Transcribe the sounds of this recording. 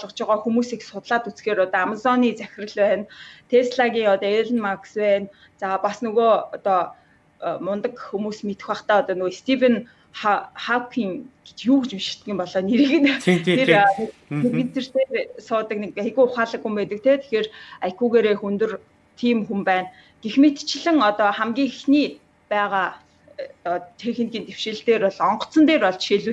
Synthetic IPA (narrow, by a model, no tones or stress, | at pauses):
ɔɮʁə̆t͡ɕʊʁɔːxumuːsiksʊt̪ɮaːt̪ut͡sxeːɾɔt̪ɔamazɔniːt͡sæxʲɪ̆rə̆ɮpæːnt̪ʰesɮaɣʲiːŋɔt̪ɔeɮɘ̆nmakspæːn | t͡saːpasnɵɣoːɔt̪ɔː | mʊnt̪ə̆kxumuːsmet̪ɘ̆xwaːχt̪æːɔt̪ɔːnʊest̪ʰifen | aχawkʰiːŋɡ̥e̥t͡ɕjuːkt͡ɕimʃɪ̥̆t̪̚ɡʲĭːmpɔɮɔːneɾɘ̆ɣɘ̆nt̪ʰernerɣɘ̆nt͡sĕr̥t̪eːrsʊːt̪ə̆knekaɣujʊχaːɮə̆kxumpæːt̪ə̆k̚t̪ʰeːt̪ʰe̥xeːrajkuɣeːɾeːxunt̪ɵ̆r | t̪ʰiːmxumpæːn | ɡ̥exmet̪t͡ɕɪ̆ɮɘ̆ŋɔt̪ɔːχæmɡʲiːŋxexniː | pæːʁaː | t̪ɔt̪ʰexɘ̆nxʲiːnt̪ewʃeːɬt̪eːrɔɮɔɴɢɞ̆t͡sɞ̆nt̪eːrɔɮt͡ɕʃeɮŭ